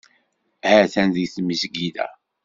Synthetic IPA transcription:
hæθænðiθməzəɡiðæ̰

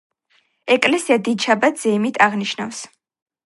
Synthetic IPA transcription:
ɛkʼlɛsiad̪id̪ʃabat̪ʰz̥ɛmit̪ʰaʁniʃna̰fs

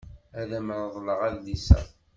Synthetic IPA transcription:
æðæmɾˤðˤləʁæðːisæ̰

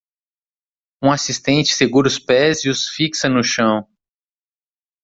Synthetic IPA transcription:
ũasist̪ẽnt͡ʃɪ̥seɡuɾʊspɛziʊsfiksɐ̃nʊʃɐ̃w̃

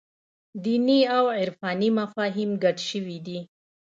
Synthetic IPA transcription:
d̪iniawɪɾfɑnimafɑɦɪmɡaʈʃəwid̪i

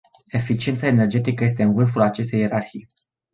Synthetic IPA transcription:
e̞fit͡ʃient̪saene̞rd͡ʒe̞t̪ikəje̞s̬t̪e̞ɨnvɨrfulat͡ʃe̞st̪e̞je̞ɾarçij

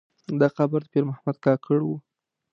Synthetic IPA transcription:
d̪aqabaɾd̪əpeɾmahamad̪kɑkʰəɽwu

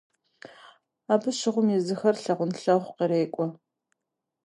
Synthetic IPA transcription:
aːbɨɕɪʁʷʊmjɛzɨxɐrɬɐʁʷʊnɬɐʁʷqiɾeːkʷʼɔ

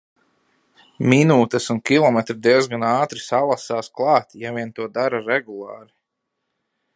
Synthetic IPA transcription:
minuːt̪ɛsunkʲilˠɔmɛt̪ɾid̪iɛzɡanɑːt̪ɾisalˠasaːsklˠɑːt̪javʲiɛnt̪uɔd̪aɾaɾɛɡulˠɑːɾi

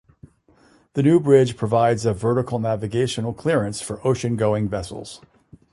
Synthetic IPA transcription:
ðɨnʉbɹɪdd͡ʒ̥pʰɹ̥ɨvaɪdzɨvɜ˞ɾəkl̩ˠnævɨɡeɪʃɨnl̩ˠkʰl̥ɪɹɨ̃nsfə˞ʔoʊʃɨ̃nɡoʊɪ̃ŋvɛsl̩ˠz̥

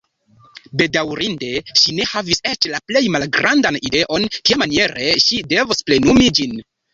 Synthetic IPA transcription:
be̞dawɾinde̞ʃine̞havise̞t͡ʃlaple̞jmalɡɾʔandanide̞ʔo̞nkiamanie̞ɾʔe̞ʃide̞vosple̞numid͡ʒin

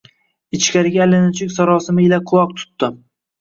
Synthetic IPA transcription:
ɪt͡ʃkʲaɾɪɡʲaːlɪnɪt͡ʃʰɪkʲsaɾɒsɪmɪɪlaqʰʊlˠɒq̚t̪ʰʊ̥t̪ːɪm

